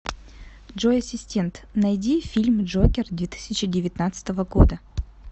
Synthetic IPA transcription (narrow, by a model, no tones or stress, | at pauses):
dʐojɐsʲɪsʲtʲe̞nt̪nɐjdʲifʲilʲmʐokʲɪrd̪vʲet̪ɨ̥sʲɪt͡ɕɪdʲɪvʲɪt̪nat̪sɨ̥t̪əvəɡo̞d̪ə